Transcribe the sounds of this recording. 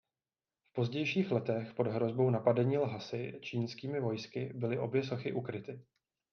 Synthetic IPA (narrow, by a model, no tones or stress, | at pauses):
fpo̞zɟɛjʃiːxlɛt̪ɛxpo̞dɦɾo̞zbo̞wnapadɛɲiːlɦasɪt͡ʃiːnskiːmɪvo̞jskɪbɪlɪʔo̞bjɛso̞xɪʔukɾɪt̪ɪ